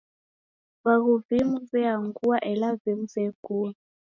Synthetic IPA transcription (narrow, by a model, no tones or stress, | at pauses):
βaɣuvimuzɛaŋɡuaʔɛlavimuzɛɡuː